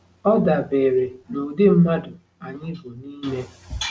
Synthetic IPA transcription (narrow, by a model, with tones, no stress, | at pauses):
ɔ˦da˨be˨ɾe˨no˨dɪ˦m̩˦ma˦dʊ˨ | a˨ɲɪ˦bʊ˨niː˦me˦